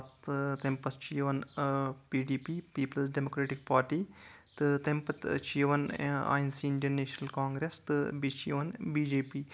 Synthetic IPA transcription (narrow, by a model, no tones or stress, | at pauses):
t̪t̪empɐst͡ʃʰijʋɐnpiːɖiːpiːpiːpɐlsɖemokɾeːʈik̚paːɾʈiːt̪ɨt̪empɐt̪t͡ʃiːʋɐna̰ːjnsiːiɳɖɐnnːeːʃnɐlkaːŋɡɾest̪ɨbit͡ʃʰiʋɐnbiːd͡ʒeːpiː